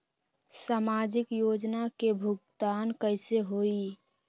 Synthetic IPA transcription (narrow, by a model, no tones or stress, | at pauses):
samad͡ʒɪkjod͡ʒnakebʱuɡt̪aːnkəɪseɦoi